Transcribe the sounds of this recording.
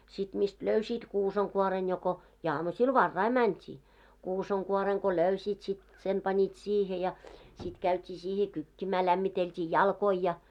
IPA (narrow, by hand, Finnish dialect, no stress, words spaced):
sit mist løysiːt kuːsɑŋkuoren joko jɑ ɑmusil ʋɑrːɑi mæntʲiː kusɑŋkuoreŋ ko løysiːt sit sen pɑnʲit siːhe jɑ sit kæytʲiː siːhe kykːimæː læmːiteltʲiː jɑlkoi jɑ